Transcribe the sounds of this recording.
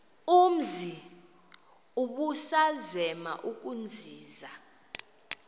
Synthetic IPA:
um̩zi | uɓusazɛma̰ʔuk̬ʼund͡zʱiːza

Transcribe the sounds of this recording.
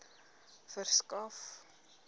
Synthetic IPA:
fərskɐf

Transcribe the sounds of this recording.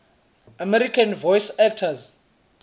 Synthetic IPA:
amɛɾikʰanvɔjsɛk̚tʰaz

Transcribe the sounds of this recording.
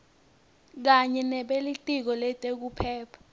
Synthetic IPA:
k̬aɲɛnɛɓelitʼik̬ɔlɛtʼek̬upʰɛːpʰḁ

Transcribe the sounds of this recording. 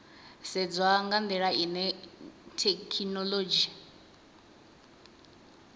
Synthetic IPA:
sɛd͡zwaŋɡand̪ɛɺainɛtʰɛkʰinɔlod͡ʒia

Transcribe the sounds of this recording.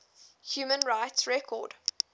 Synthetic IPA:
hjuːmə̃nɹaɪtsɹɛkʰɔ̰d

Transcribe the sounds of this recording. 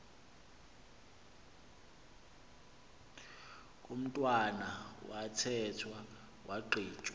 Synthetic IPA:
kʼum̩tʼwanawatʰɛtʰwa | wʔaɡ͡ǃʱiːt͡ʃʼwa

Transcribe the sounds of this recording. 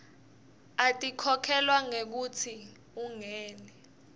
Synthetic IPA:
atʼikʰɔkʰɛlwaŋek̬ut͡sʰi | uŋɛːni

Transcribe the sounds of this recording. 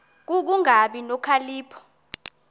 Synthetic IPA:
k̬uk̬uŋʱaɓinɔkʰaliːpʰɔ̥

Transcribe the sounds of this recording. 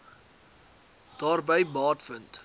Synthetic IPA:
d̥ɑːrbəjmɑːtfənt

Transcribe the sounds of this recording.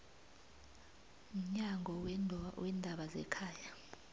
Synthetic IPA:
um̩ɲaŋʱɔwwʔɛndʱaɓazɛ̰kʰaːja

